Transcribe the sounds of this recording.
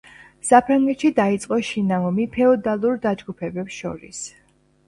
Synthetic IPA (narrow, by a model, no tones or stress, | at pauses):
sapʰɾaŋɡɛt̪ʃid̪ait̪sʼqʼɔʃinaɔmipʰɛɔd̪alˠuɾd̪ad͡ʒɡupʰɛbɛpsʃɔ̰ɾḭs